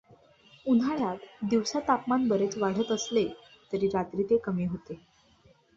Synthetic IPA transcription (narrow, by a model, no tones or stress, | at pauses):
un̤aɭat̪d̪iʋsat̪apmanbəɾet͡sʋaɽ̤ət̪əslet̪əɾiːɾat̪ɾiːt̪ekəmiːɦot̪e